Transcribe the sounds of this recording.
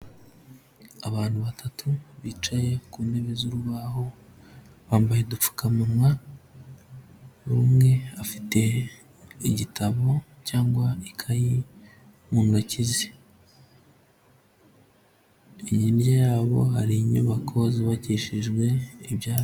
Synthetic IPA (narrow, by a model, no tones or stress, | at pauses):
aβaːn̥huβatʰatʰuβit͡ʃaje̞kuːndeβezuɾuβaho̞ | βaːmbajedup͡fu̥kamunwa | uɾumŋe̞afi̥te̞ | iɟitʰaβo̞caːŋɡwaikʰaji | muːŋɡacizi | iɲinjajaːβo̞̰ɦaɾiɲṵːβakʰoziβaciʃiʒɡwe̞iβjaː